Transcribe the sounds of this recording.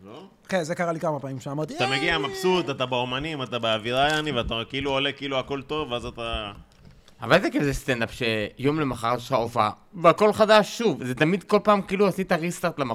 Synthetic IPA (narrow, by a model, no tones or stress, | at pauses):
lo | kenzekaʁalikamapamimʃeamaʁt̪iat̪ameɡiamapsut̪atabeomanimatabeaviʁajaniveatakiiluolekiiːluako̞lt̪o̞veazat̪a | avalzekevzest̪end̪apʃe̞jo̞mle̞maχaʁaʃχaofa̰veako̞lχadaʃːuvzet̪amid̪ko̞lpaːmkiiːluasit̪aʁist̪aʁt̪lama